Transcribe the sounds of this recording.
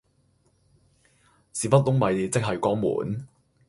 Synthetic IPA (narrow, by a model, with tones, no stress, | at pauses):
siː˨˩pɐ˥t̚lʊ˥ŋmɐ˨ji˨˧t͡sɪ˥k̚ɦɐ˨jkɔː˥ŋmṵː˨˩˦n